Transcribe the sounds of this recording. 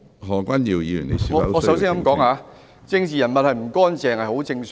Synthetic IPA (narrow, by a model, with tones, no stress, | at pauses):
ɦɔː˨˧kʷɐ˥njiː˨˧wjiː˧jy̰˨˩nḛ˨˧si˨˧ɔ˨˧ɔː˨˧sɐ˧˥wsiː˥kɐ˨˦˥mkɔː˨˥ŋaː˨˧ | t͡sɪ˧ŋt͡siː˨˩jɐ˨˩nmɐ˨t̚hɐ˨jm̩˨˩kɔː˥nt͡sɛː˨˧ŋhɐ˨jho˨˥wt͡sɪ˧ŋs